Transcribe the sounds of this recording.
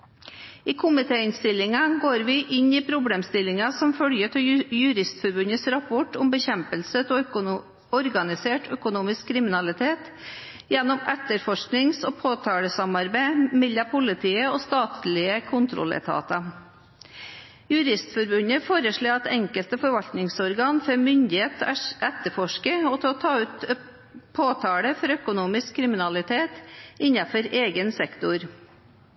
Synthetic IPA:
iːkʰʊmɪt̪ʰeːɪnst̪ɪlːɪŋɑɡoːɾʋɪʔɪɲiːpʰɾʊbleːmst̪ɪlɪŋɑsɔmfœljət̪ʰɪjʉɾɪst̪fɔɾbʉnəsɾɑpʰɔʈʊmbəçɛmpəlsət̪ʰ | ɔɾɡɑnɪseːʈʰœkʊnuːmɪskʰːɾɪmɪnɑlɪt̪ʰeːt̪ | jɛnːɔmɛt̪əɾfɔʂknɪŋsoːpʰoːt̪ʰɑːɽəsɑmɑɾbæɪmɛlːɑpʰʊlɪt̪ʰiːəoːst̪ɑːt̪ʰlɪəkʰʊnt̪ʰɾɔ̰lə̰t̪ʰɑ̰ːt̪ɑ | jʉɾɪst̪fɔɾbʉnəfoːɾəʂɭoːɑt̪ɛŋkəlt̪əfɔɾʋɑlt̪nɪŋsɔɾɡɑːnfɔɾmʏnd̪ɪheːt̪ʰʔɛt̪əɾfɔʂkəɔt̪ʰɛɔt̪ʰɑːʉːt̪ | pʰoːt̪ʰɑːɽəfɔɾœkʊnuːmɪskʰːɾɪmɪnɑlɪt̪ʰeːt̪ɪɲɑfɔɾeːɡənsɛkt̪ʊɾ

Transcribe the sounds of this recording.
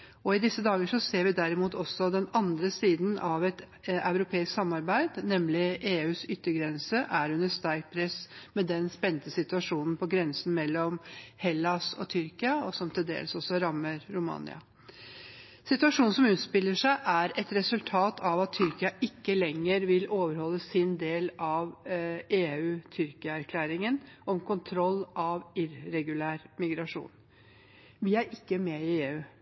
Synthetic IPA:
ɔɪd̪ɪsəd̪ɑːɡəʂɔseːɾʋɪd̪æɾɪmuːt̪ʰɔsːɔd̪ɛnɑnd̪ɾəsiːd̪nɑʋɛt̪ | ɑʉɾʊpʰeːɪsksɑmːɑɾbæɪd̪nɛmlɪʔeːʉːsʏt̪ːəɡɾɛnsəʔæɾʉnːəʂt̪ɑɾkt̪̚pʰɾɛsmɛd̪ɛnspɛnt̪əsɪt̪ʉɑʂuːnn̩pʰɔɡɾɛnsn̩mɛlːɔmhɛlːɑsɔ̰t̪ʰʏɾkɪɑɔsɔmt̪ʰɪld̪ḛːlsɔsɔɾɑmːəɾɾʊmɑ̰ːnɪ̰ɑ̰ | sɪt̪ʉɑʂuːnn̩sɔmʉːt̪spɪlːəʂæɪʔæɾɛt̪ɾɛsʉlt̪ʰɑːt̪ʰɑʋɑt̪t̪ʰːʏɾkɪɑʔɪkːəlɛŋːəɾʋɪloːʋəɾhɔlːəsɪnd̪eːlɑʋeːʉːt̪ʰʏɾkɪəæɾkʰlæːɾɪŋənʔɔmkʰʊnt̪ʰɾɔlːʔɑʋɪɾːɛɡʉlæːɾmɪɡɾɑʂṵːn | ʋɪæɾʔɪkːəmɛɪeːʉː

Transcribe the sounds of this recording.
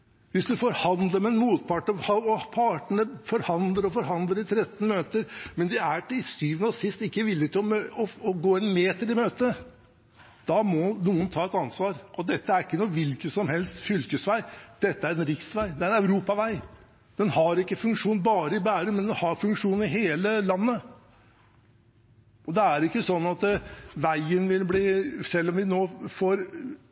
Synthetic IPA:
ʋɪsd̪ʉfɔɾhɑnd̪ləmɛɛnmuːt̪pʰɑʈːəhɑɔpʰɑʈəɳəfɔɾhɑnd̪ləɾɔfɔɾɦɑnd̪ləɾɪt̪ʰɾɛt̪ːn̩møːt̪əɾmɛnd̪ɪæʈɪlsyːʋnɔsɪst̪ɪkːəʋɪlːɪt̪ʰɪlɔmøɔɔɡoːɛnmeːt̪əɾɪmøːt̪ə | d̪̥ɑmɔnuːənt̪ʰɑːɛt̪ɑnsʋɑːɾʔɔd̪ɛt̪ːəæɾɪkːənuːʋɪlkəsɔmhɛlst̪fʏlkəsʋæɪd̪̥ɛt̪ːəæɾɛnɾɪksʋæɪd̪ɛæɾɛnæʉɾuːpɑʋæɪ | d̪̥ɛnhɑɾɪkːəfʉŋkʂuːn̩bɑːɾəɪbæːɾəmɛnd̪ɛnhɑɾfʉŋkʂuːnn̩ɪɦeːləlɑnːə | ʔɔd̪ɛæɾɪkːəsɔnːɑt̪ʋæɪənʋɪlbliːsɛlːɔmʋɪnoːfoːɾ

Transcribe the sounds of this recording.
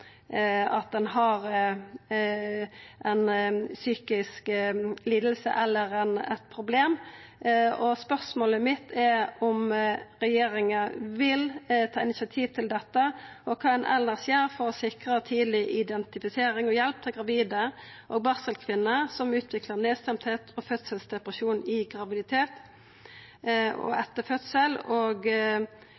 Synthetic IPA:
ɑt̪̚d̪ɛnɦɑɾ | ʔɛnsyːkɪskliːd̪əl̩sə̰ʔɛlːəɾɛnɛt̪pʰɾʊbleːm | ɔspœʁsmoːləmɪt̪ʰːɛɾɔmɾɛjeːɾɪŋəʋɪlt̪ʰɑːɪnɪsɑt̪ʰiːʋt̪ʰɪld̪ɛt̪ːəʔɔkʰɑːɛnʔɛ̰lnəʁsjeːɾfɔʁɔsɪkʁəɔt̪ʰiːd̪lɪʔɪd̪ɛnt̪ɪfɪseːɾɪŋɔjɛlp̚t̪ʰɪlɡɾɑʋiːd̪ə | ʔoːɡ̚bɑʁsəlkʰʋɪnːəsɔmʉːt̪ʰʋɪkləʁneːst̪ɛmt̪heːt̪ʰɔfœt̪səlsd̪ɛpʁəsuːnɪɡʁɑʋɪd̪ɪt̪ʰeːt̪ | ɔ̰ɛt̪ːəfœt̪səloːɡ

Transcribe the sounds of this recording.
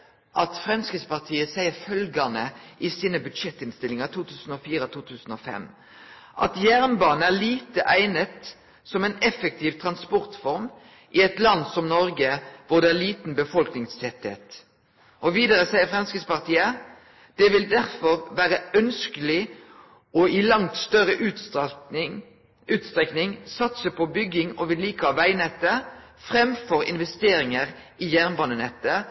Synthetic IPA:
ʔɑt̪fʁɛmskəspɑʁt̪ʰiːəsæɪəɾfœlɡɑnəʔɪsiːnəbʉd̪ʂɛt̪ːɪnst̪ɪlɪŋɑt̪ʰuːt̪ʰʉːsn̩ɔfiːɾət̪ʰuːt̪ʰʉːsn̩ɔfɛ̰m | ʔɑ̰t̪jæʁnbɑːn̩æliːt̪əʔæɪnət̪ | sɔmɛɪnɛfək̚t̪ʰiːʋt̪ʰʁɑnspɔʁt̪fɔɾm | ʔɪɛt̪lɑnːsɔmnɔɾɡəʋʊʁd̪ɛæliːt̪n̩bəfɔlknɪŋsɛt̪ːḛt̪ | ɔʋiːd̪əɾəsæɪəfʁɛmskəspɑʁt̪ʰiːə | d̪̥ɛʋɪld̪æʁfɔɾʋæːʁəœnskəlɪ | ɔɪlɑŋt̪st̪œʁəʔʉ | ʉːt̪st̪ʁɛknɪŋsɑt̪səpʰɔbʏɡɪŋɔʋɪliːkəhɑʋæɪnɛt̪ːə | fʁɛmfɔɾɪ̰nʋɛst̪eːɾɪŋəʁ | ɪjæʁnbɑːnənɛt̪ːə

